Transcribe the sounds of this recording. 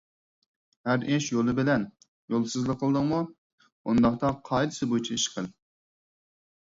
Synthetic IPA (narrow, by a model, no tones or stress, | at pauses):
hæɾʔɪʃjolˠɨbɪlɛn | jolˠsɨzlˠəqʰːəlˠɨd̪ɨŋmu | und̪ɑχt̪ɑqʰɑjd̪ɨsɨbot͡ʃʰɛiʃqʰəl